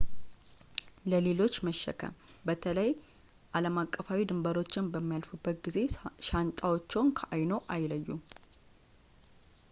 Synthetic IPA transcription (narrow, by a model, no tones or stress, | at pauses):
ləle̞lo̞t͡ʃːməʃːə̰kʰə̰mbət̪ʰələj | ʔaləmakʼːəfawid̪ɨmbəɾo̞t͡ʃːɪnbəmːijalfubːət̪̚ɡize̞ʃant̪ʼawot͡ʃːɛwnkʰəʔajno̞ʔajləjːu